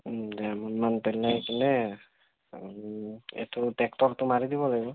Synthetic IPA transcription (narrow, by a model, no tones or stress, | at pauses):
dɛamɔnmanpɛlajkɛnɛ | ɛ̰tutɛktɔɹtʊmaɹid̪ibɔlaɡibɔ